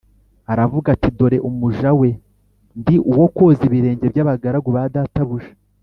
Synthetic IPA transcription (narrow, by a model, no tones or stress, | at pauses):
aɾavuɡatido̞ɾe̞ʔumuʒawe̞ | ndiʔuwo̞koziβiɾe̞ːɲɟe̞bɟaːβaɡaɾaɡuβadataβuʒe